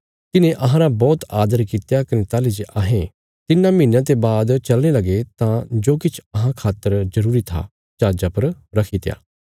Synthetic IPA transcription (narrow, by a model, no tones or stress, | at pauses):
t̪ɪnẽʔɐɦãɾabɔːt̪aːd̪əɾkit̪jakɐnẽt̪aːlid͡ʒeʔaːɦẽ | t̪ɪnːãminjãt̪̬ebaːd̪t͡ʃɐlñelɐɡet̪ãd͡ʒoːkɪt͡ʃʰɐɦãkʰaːt̪ːəɾzɐɾuːɾit̪ʰa̰ | d͡ʒaːd͡ʒapɐɾɾɐkʰit̪ja̰ː